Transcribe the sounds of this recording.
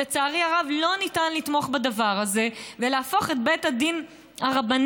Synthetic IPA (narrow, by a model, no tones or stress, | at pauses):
et͡saːʁiaʁavlo̞nitanlit̪mo̞χbadavaʁhaze̞veleafo̞χet̚bethadin | haʁaban